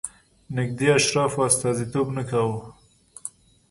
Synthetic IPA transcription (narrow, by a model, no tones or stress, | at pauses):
nɪk̚d̪eaʃɾɑfwast̪ɑzit̪obnəkawə